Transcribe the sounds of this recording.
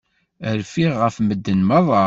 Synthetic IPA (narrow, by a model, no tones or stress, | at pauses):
əɾfiːəfməd̪ːənmɑðˤɑ